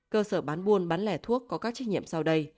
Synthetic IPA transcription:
kəː˧səː˧˩ɓaː˨˦nɓu˧ənɓaː˨˦nlɛ˧˩t̪ʰu˦˥ək̚ːɔ˨˦kaː˦˥k̚t͡ɕa˦˥ŋ̚ŋḭ˧˨əmsa˧wɗə˧j

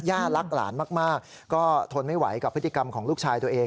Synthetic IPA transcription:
jaː˥˩t̪la˦˥k̚la̰ː˩˦nmaː˥˩k̚maː˥˩k̚ | kːɔː˥˩t̪ʰo˧nma˥˩jwa̰˩˦jka˨˩pʰːɯ˦˥t̪ʰi˧ka˧mkʰɔː˩˦ŋluː˥˩k̚t͡ɕʰaː˧jt̪u˧ɐʔeː˧

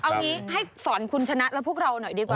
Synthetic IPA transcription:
ʔa˧wŋiː˦˥ɦa˥˩jsɔː˩˦nkʰu˧nt͡ɕʰa˧na˦˥ʔlɛ˦˥pʰək̚ɾa˧wnɔ˨˩˦jdiː˧kwaː˨

